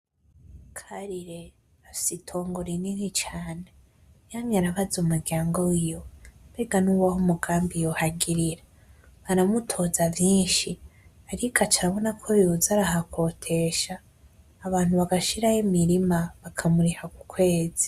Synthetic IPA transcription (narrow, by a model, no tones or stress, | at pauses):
kʰaɾiɾe̞ | afi̥sitʰo̞ːŋɡo̞ɾininit͡ʃaːne | jamɲaɾaβazumuɾɟaːŋɡoijo̞be̞ɡanuːwahumuɡaːmbijo̞haɡiɾiɾa | βaɾamutʰo̞zavjiːnʃi | aɾikʰat͡ʃaɾaβo̞nakʰojiuzaɾaɦakʰo̞tʰe̞ʃaː | βaːn̥huβaɡaʃiɾajimiɾimaβakʰamuɾihaku̥kʰwe̞ːzi̥